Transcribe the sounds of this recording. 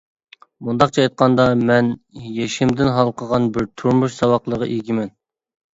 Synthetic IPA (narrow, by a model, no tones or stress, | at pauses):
mund̪ɑqt͡ʃʰɑɑjt̪̚qʰɑnd̪ɑmɛnjeʃɪmd̪ɪnɦɑlˠqʰəʁɑnbɪɾt̪ʰuɾmuʃsɑwɑqlˠəʁɑʔeɡʲimɛn